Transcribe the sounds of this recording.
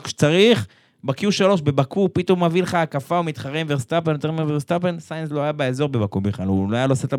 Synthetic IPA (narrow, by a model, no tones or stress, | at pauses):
kʃe̥t͡saʁiχ | bakiuʃalo̞ʃbebakupit̪o̞mavileχaːkafaomit̪χaʁemveʁst̪apenjot̪eʁmiveʁst̪apensajnslo̞ajabeezo̞ʁbebakubeχlaluloajaloset̪la